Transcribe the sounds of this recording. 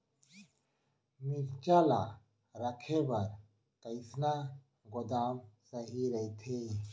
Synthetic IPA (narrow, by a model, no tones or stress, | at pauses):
miɾt͡ʃaːla̰ | ɾɐkʰebɐɾ | kəɪsna | ɡʊd̪aːmsɐɦiɾɐit̪ʰe